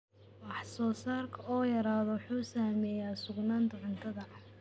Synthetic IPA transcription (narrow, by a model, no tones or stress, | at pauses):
wɑħsɔːsaːrkʰɐɔːjɐɾaːðɔwħuːsaːmɛːjaːsʊɡnaːnt̪ʰɐʕʊnt̪ʰɐðɐ